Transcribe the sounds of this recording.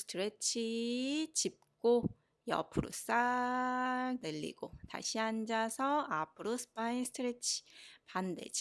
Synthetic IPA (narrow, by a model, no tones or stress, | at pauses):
sɯ̥tʰɯɾet͡ɕʰit͡ɕip̚k͈o | jʌ̰pʰɯɾo̰s͈a | ɭnɯʎːḭɡ̥ota̰ɕʰiand͡ʑasʰʌapʰɯɾosʰɯ̥pʰaisʰtʰɯɾet͡ɕʰi̥pandḛd͡ʑi